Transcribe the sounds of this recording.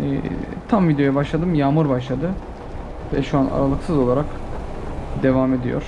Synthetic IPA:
ɛ̰t̪ʰamvid̪ejojabaʃlˠad̪ɯmjaːmɯɾbaʃlˠad̪ɯ | vɛ̰ʃuana̰ɾalˠɯksɯzo̞lˠaɾak | d̪e̞vame̞d̪ijo̰ɾ̥

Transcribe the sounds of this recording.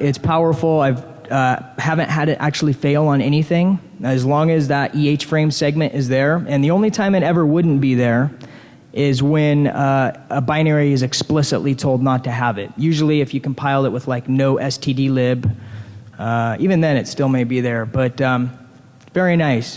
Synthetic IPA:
ɪtspʰaʊə˞fl̩ˠaɪv | ʌhævɨ̃nʔɦɨɾɨɾʔæ̰k̚t͡ʃʉl̩ˠifeɪlˠə̃nɛñiθɪ̃ŋ | ɨzlɔ̃ŋɨzðəɾʔieɪt͡ʃfɹẽɪ̃msɛɡ̚mɨ̃ñʔɨzðə˞ɨ̃nðiõʊ̃nlitʰãɪ̃mɨɾɛvə˞wʊdⁿn̩b̥iðə˞ | ʔɪzwɨ̃nʌəbãɪ̃nɛɹiɨzɨksplɪsə̰ʔˡlitʰoʊlˠdⁿnətʰɨəvɪt̚jʉʒl̩ˠiɨfjɨkʰm̩pʰaɪlˠəʔ̚wəð̥laɪknoʊʔɛstʰidilɪb | ʌivɨ̃nðɨ̃ñɨtstɪlˠmeɪbiðə˞b̥ʌtʌ̃m | vɛɹinaɪs

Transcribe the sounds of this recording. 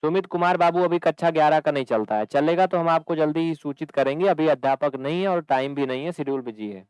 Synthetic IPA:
sʊmɪt̪kʊmaːɾbaːbuɐbʱikɐtːʃʰaɡjaːɾakanɐɦĩt͡ʃɐlt̪aɦɛt͡ʃɐleːɡat̪oɦɐmaːp̚kod͡ʒɐld̪iɦisuːt͡ʃɪt̪kɐɾẽːŋɡeɐbʱiɐd̪ʱjaːpəknɐɦĩɦɛɔːɾʈaːɪmbʱinɐɦĩɦɛsɪɖjulbʱɪd͡ʒiɦɛ̰ː

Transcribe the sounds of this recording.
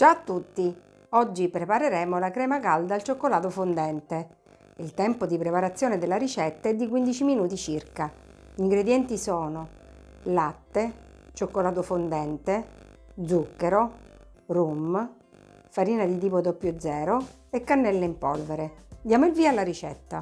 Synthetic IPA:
d͡ʒat̪ːut̪ːi | ɔd͡ʒːipɾepaɾeɾɛːmolakɾɛːmakald̪alt͡ʃokːolaːt̪ofond̪ɛnt̪e | ilt̪ɛmpod̪ipɾepaɾat̪sːjoːned̪elːaɾit͡ʃɛt̪ːaɛd̪ːik̬wind̪it͡ʃiminuːt̪it͡ʃirka | ʎiŋɡɾed̪jɛnt̪isɔːno | lat̪ːe | t͡ʃokːolaːt̪ofond̪ɛnt̪e | d̪zukːeɾo | rum | faɾiːnad̪it̪̬iːpod̪opːjod̪zɛːɾo | ekːanːɛlːeimpɔlveɾed̪jaːmoilviːalːaɾit͡ʃɛ̰t̪ːa

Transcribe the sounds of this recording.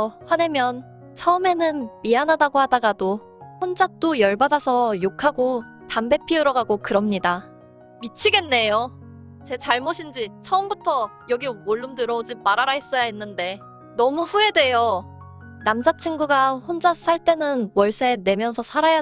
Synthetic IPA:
ɸwanemjʌn | t͡ɕʰʌɯme̞nɯnmianadaɡohadaɡado | ɸond͡ʑak̚t͈ojʌɭbadasʰʌjokʰaɡo | tambe̞pʰiɯɾʌɡaɡokɯɾʌmɲida | mit͡ɕʰiɡe̞nːe̞jo | t͡ɕe̞t͡ɕaɭmoɕʰind͡ʑit͡ɕʰʌɯmbutʰʌjʌɡimoɭːɯmdɯɾʌod͡ʑimaɾaɾaɦes͈ʌjainːɯnde̞ | nʌmuɸue̞dwe̞jo | namd͡ʑat͡ɕʰiŋɡuɡaɸond͡ʑas͈aɭt͈e̞nɯnwʌɭs͈ene̞mjʌnsʰʌsʰaɾaja

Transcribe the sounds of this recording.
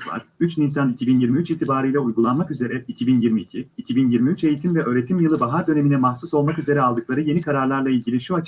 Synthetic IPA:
va̰ɾ̥yt͡ʃnisanicʰibinjiɾmiyt͡ʃit̪ʰibaːɾɯjlʲɛujɡulˠanmakyze̞ɾɛicʰibinjiɾmiːcʰiːcʰibinjiɾmiyt͡ʃe̞jit̪ʰimvɛʔø̞ːɾe̞t̪ʰimjɯlˠɯbaɦaɾd̪ø̞ne̞minɛmahsuso̞lˠmakyze̞ɾɛalˠd̪ɯklˠaɾɯje̞nikʰaɾaɾlˠaɾlˠailʲɟʲilʲiʃuat͡ʃ

